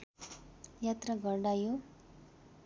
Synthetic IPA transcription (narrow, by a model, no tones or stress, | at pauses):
jat̪ɾəɡəɾɖaju